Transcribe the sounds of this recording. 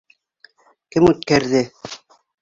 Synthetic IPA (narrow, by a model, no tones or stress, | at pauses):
kɘmɵt̪kæɾðɘ